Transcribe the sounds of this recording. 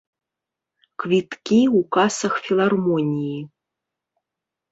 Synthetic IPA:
kvʲit̪kʲiwkasɐxfʲilˠarmɔnʲiji

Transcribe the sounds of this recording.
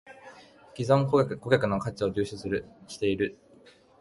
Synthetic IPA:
kʲizõŋkko̞ɡʲakɯ̟nokat͡ɕao̞d͡ʑɨːɕosɨɾɯ̟ɕi̥t̪e̞iɾɯ̟

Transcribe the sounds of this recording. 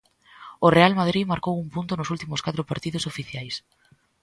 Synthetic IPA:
orealmað̞ɾimaɾkowumpunt̪ʊnʊsult̪imʊskat̪ɾʊpaɾt̪iðʊsofiθjajs

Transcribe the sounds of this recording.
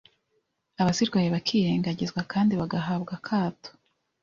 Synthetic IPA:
aβasiɾɡwajeβakʰiːɾe̞ːŋɡaɟizɡwakaːndiβaɡaɦaːbɡakʰaːto̥

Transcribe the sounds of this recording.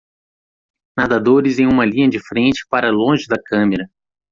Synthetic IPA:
nad̪ad̪oɾɪzẽj̃ũmɐlĩɲɐd͡ʒɪfɾẽnt͡ʃɪ̥paɾɐlõʒɪd̪ɐkɐ̃meɾɐ

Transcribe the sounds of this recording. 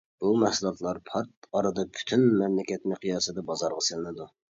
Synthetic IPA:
b̥umɛhsulˠɑt̪lˠɑɾpʰɑɾt̪̚ɑɾɨd̪ɑpʰy̥t̪ʰynmɛmlɪkʲɛt̪nɪqʰijɑːsɨd̪ɑbɑzɑɾʁɑselɪnɪd̪u

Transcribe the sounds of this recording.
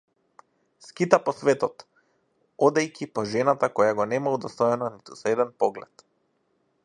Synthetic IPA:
skit̪apɔsvɛt̪ɔt̪ | ɔd̪ɛjcʰʲipɔʒɛnat̪akɔjaɡɔnɛmaud̪ɔst̪ɔjɛnɔnit̪usɛd̪ɛnpɔɡlɛt̪

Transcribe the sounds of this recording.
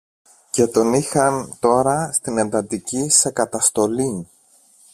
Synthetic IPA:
ce̞t̪o̞nixɐnt̪o̞ɾɐst̪inend̪ɐt̪icise̞kɐt̪ɐst̪o̞li

